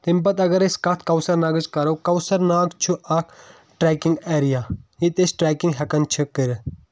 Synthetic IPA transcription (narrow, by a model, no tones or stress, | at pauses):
t̪impɐt̪ɐɡɐɾeskɐt̪ʰkɐwsɐɾnaːɡɐd͡ʒkɐɾɐwkɐwsɐɾnaːɡt͡ʃʰuʔɐkʰ | ʈɾeːkiŋɡeːɾijaːjit̪esʈɾɛːkiŋɡɦɐkɐnt͡ʃʰikiɾ